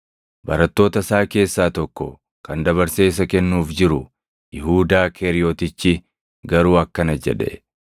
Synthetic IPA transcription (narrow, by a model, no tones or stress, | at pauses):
bɐɾɐt̪ːo̞ːt̪ɐsaːke̞ːsːaːt̪ɔkːɔ̰ | kɐnd̪ɐβɐɾse̞ːs̬ɐkɛnːuːfd͡ʒɪɾʊ | jɪɦuːd̪aːkʰeːɾɪjoːt̪ɪt͡ʃːɪ | ɡɐɾuːɐkːɐnɐd͡ʒɛ̰ᶑɛ̰